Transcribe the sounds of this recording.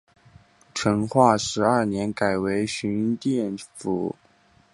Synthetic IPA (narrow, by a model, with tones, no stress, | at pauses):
ʈ͡ʂʰɤ˧˥ŋxwa˥˩ʂɻ̩˧˥ə˥˩njɛ˧˥nka˨˩ɪwe˧˥ɪɕy˧˥nt̪jɛ˥˩nfu˨˩˦